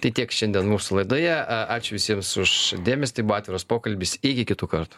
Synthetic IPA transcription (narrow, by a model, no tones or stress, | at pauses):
t̪ɐɪt̪ʲiɛkʃʲɛnʲd̪ʲiɛnmuːsʊlˠɐɪd̪oːjɛʔɑːt͡ʃʲʊʋʲɪsʲiɛmsʊʃd̪ʲeːmʲɛsʲt̪ɐɪbʊoːɑːt̪ʲʋʲɪɾoːspoːkɐlʲbʲɪsɪɡʲɪkʲɪt̪uːkɐɾt̪ʊ̥